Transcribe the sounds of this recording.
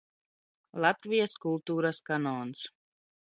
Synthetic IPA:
lat̪viəskulˠt̪uɾəskanɔns

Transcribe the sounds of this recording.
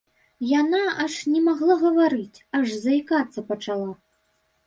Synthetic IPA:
janaɐʂnʲɛmaɣlˠaɣɐvaɾɨt͡sʲɐʐzɐjkat̪sːɐpɐt͡ʂalˠa

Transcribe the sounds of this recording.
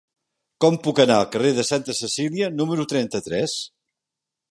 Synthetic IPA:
kɔmpukənaəlˠkəreðəsant̪əsəsiliənuməɾut̪ɾɛnt̪ət̪ɾɛs

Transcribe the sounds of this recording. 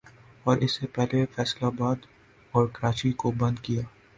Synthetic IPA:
ɔːɾʔɪsːepɛɦlefɛːslabaːd̪ | ɔːɾkɐɾaːt͡ʃikobɐ̃nd̪kijaː

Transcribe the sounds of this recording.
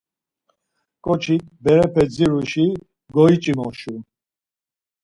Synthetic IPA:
kʼɔt͡ʃʰit̪̚ʰbɛɾɛpʰɛd͡ziɾuʃi | ɡɔit͡ʃʼimɔʃu

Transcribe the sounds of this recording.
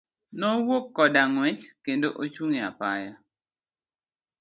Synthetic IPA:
nɔwokːɔdaŋwɛt͡ʃkendoʔot͡ʃuŋia̰paja

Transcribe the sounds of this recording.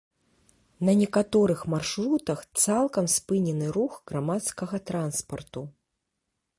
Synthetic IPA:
nɐnʲɛkat̪ɔɾɨxmarʂɾut̪ɐxt̪salˠkɐmspɨnʲɛnɨɾuxɣɾamat̪skɐɣɐt̪ɾanspɐrt̪u

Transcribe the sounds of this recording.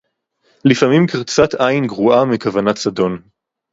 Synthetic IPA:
lifamimkiʁt͡sat̪ajnɡʁuamikavanatsadon

